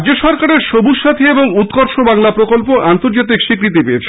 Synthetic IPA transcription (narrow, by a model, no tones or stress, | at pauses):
d͡ʑoʃɔɾkaɾeɾʃobuʃːat̪ʰeeboŋut̪koɾʃobaŋlapɾokolpoʔant̪oɾd͡ʑat̪̬ikʃikɾit̪̬ipeet͡ɕʰ